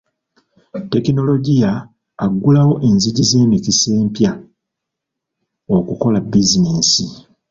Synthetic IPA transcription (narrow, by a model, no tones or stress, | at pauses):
te̞kino̞lo̞ɟijaː | ɡːulawo̞ʔe̞nziɟize̞ːmicise̞ːmpja | o̞kuko̞labizineːsi